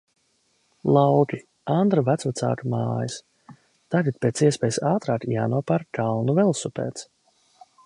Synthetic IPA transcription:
lˠawkʲi | and̪ɾuvæt̪svat̪sa̰ːkama̰ːjis | t̪aɡat̪̚peːt̪siɛspɛːjsaːt̪ɾaːkjaːnuɔpaɾkalnuvɛlˠsupḛːt̪s

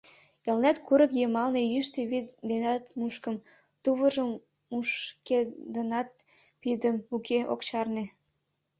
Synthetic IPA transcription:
elnæt̪kuɾəkjemɑlnejyʃt̪eβid̪enɑt̪muʃkəm | t̪uβəʒəm | uʃked̪ənɑt̪̚ | pid̪əmukʰeʔo̰kt͡ɕɑrne

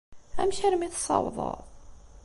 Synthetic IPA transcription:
æ̰mçaɾmiθsˤːɑ̰wðˤə̰ɾˤ

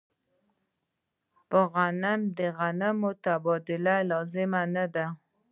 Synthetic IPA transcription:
pəɣanamd̪əɣanamʊt̪abɑd̪ɪlalɑzɪmanad̪a

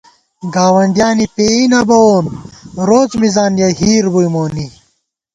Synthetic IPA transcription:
ɡaːwɐɳɖjaːnipeːinɐbɐoːnɾoːt͡smizaːnjɐɦiːɾbujmoːni

